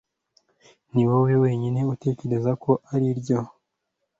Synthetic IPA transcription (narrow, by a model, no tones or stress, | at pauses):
niwowewe̞ːɲine̞ute̞ce̞ɾe̞zako̞ʔaɾiɾɟo